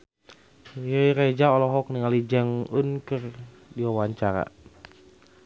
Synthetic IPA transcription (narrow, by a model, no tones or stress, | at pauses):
jəiɾed͡ʒaɔlɔɦɔk̚niŋalid͡ʒɛŋunkər | diwawaɲt͡ʃaɾa̰